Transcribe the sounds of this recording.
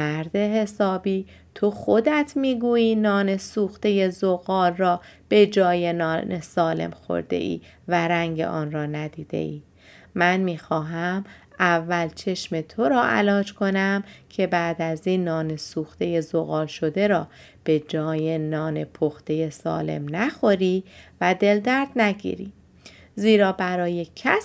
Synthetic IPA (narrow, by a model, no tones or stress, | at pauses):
mæɾd̪e̞ɦe̞sɒːbiː | t̪ʰoxod̪æt̪ʰmiːɡuːjiːnɒːne̞suːxt̪e̞je̞zoɣɒːlrɒːb̥e̞d͡ʒɒːjenɒːnesɒːle̞̰mxo̰ɾd̪e̞̰ʔḭː | væɾæŋɟe̞̰ʔɒːnrɒːnæd̪iːd̪e̞̰ʔiː | mænmiːxɒːɦæm | ʔævːælt͡ʃʰe̞ʃme̞t̪ʰoɾɒːʔæ̰lɒːd͡ʒkʰo̞næmcʰe̞bæːd̪æziːnːɒːne̞suːxt̪e̞je̞zoɣɒːlʃo̞d̪e̞ɾɒː | b̥e̞d͡ʒɒːjenɒːne̞pʰoxt̪e̞je̞sɒ̰ːle̞̰mnæxo̞ɾiːvæd̪e̞ld̪æɾd̪̥næɟḭːɾḭː | ziːɾɒːbæɾɒːje̞cʰæs